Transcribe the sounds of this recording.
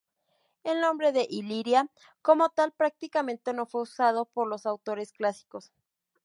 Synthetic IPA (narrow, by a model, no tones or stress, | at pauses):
elnõ̞mbɾe̞ðe̞ʔiliɾja | ko̞mo̞t̪alpɾak̚t̪ikamẽ̞nt̪e̞no̞fwe̞usað̞o̞po̞ɾlo̞sawt̪o̞ɾe̞sklasi̥ko̞s